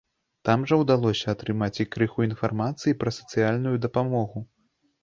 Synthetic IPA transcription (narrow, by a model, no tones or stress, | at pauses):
t̪amʐɐwd̪alˠɔsʲɐat̪ɾɨmat͡sʲikɾɨxuinfarmat̪sɨjipɾɐsɐ̥t̪sɨjalʲnujud̪ɐpamɔɣu